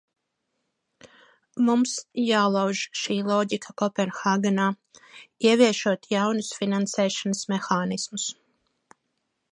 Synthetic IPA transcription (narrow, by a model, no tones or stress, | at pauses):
mumsjaːlˠawʒʃiːlˠɔːɟikʰakɔpɛnxaːɡanaː | iɛviɛʃuɔt̪jawnusfinansɛːʃanəsmɛxaːnismus